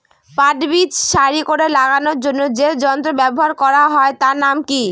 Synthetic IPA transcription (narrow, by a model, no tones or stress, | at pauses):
paʈbit͡ɕʃaɾikoɾelaɡanoɾd͡ʑonːod͡ʑed͡ʑɔnt̪ɾobɛboɦaɾkɔɾaɦɔet̪aɾnamki